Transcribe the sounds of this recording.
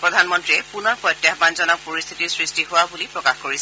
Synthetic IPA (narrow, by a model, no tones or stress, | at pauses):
pɹɔdʱanmɔntɹiɛpunɔɹpʰɔtjahbanzɔnak̚poɹist̪ʰitiɹsɹistiɦʊwabulipɹɔkaxkoɹis